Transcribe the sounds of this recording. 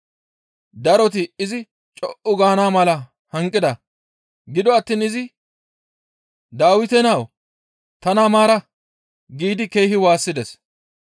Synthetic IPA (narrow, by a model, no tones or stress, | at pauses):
d̪ɐɾɔt̪̬ɪɪzɪ | t͡ʃʼɔʔʊɡaːnaːmɐlɐ | hɐŋkʼːɪd̪ɐ | ɡɪd̪ɔɐt̪ːiːnɪzɪ | d̪aːwɪt̪ɛnaw | t̪ɐnaːmaːɾɐ | ɡiːd̪ɪkejhɪwaːsːɪd̪ɛs